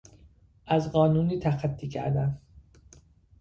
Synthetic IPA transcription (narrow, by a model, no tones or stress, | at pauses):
ʔæzɢɒːnuːniːt̪ʰæxæt̪ʰːiːcʰæ̰ɾd̪æn